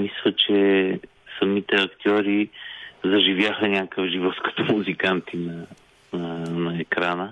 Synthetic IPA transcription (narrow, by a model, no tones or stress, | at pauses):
mislˠət͡ʃɛ | sɐmit̪ɛɐkt̪ʲɔɾizɐʒivʲjaxənʲakəvʒivɔt̪kə̥t̪omuzikant̪inɐ | nɐɛkɾanə